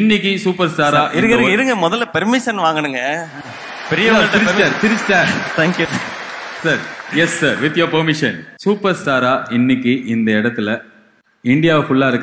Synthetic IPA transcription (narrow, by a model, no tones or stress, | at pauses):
ɪnːɪk̬ʲːɯsuːpɐɾsʈaːɾaːʔɪɾɯkːɐɾɯŋɪɾɯŋɡɐmɔðɐlːpɛɾmɪʃɐnʋaːŋɡɐɳɯŋɡɐ | pɛɾɪjɐat̪ɪɾɪaːɾt̪ɪɾɪt͡ʃːtaːɾt̪ʰaːŋkju | sɐɾjɛsːaːɾʋɪt̪ːjoːpɐɾmɪʂɐnsuːpɐɾsʈaːɾaːɪnːɪkʲːɯʔɪnd̪ɐɪɽɐt̪ːɪlɐ | ɪɳɖɪjaːʋfʊɭːaːɪɾɯkː